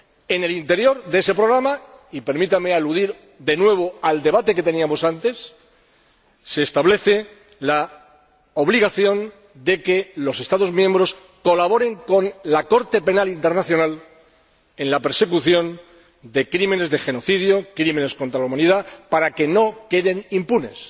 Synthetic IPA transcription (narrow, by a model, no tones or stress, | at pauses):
e̞ne̞lint̪e̞ɾjo̞ɾðee̞se̞pɾo̞ɣ̞ɾamaipe̞ɾmit̪amealuðiɾ | d̪e̞nwe̞β̞o̞ald̪e̞βat̪e̞ke̞t̪e̞niamo̞sant̪e̞s | e̞ːst̪aβle̞θe̞ | la | oβliɣ̞aθjo̞n | d̪e̞ke̞lo̞se̞st̪aðo̞zmjẽ̞mbɾo̞s | ko̞laβo̞ɾe̞ŋko̞nlako̞ɾt̪e̞pe̞nalint̪e̞ɾnaθjo̞nal | ẽ̞nlape̞ɾse̞kuθjo̞n | d̪e̞kɾime̞ne̞zðe̞xe̞no̞θiðjokɾime̞nesko̞nt̪ɾalaumãniðapaɾake̞no̞ke̞ðe̞nimpune̞s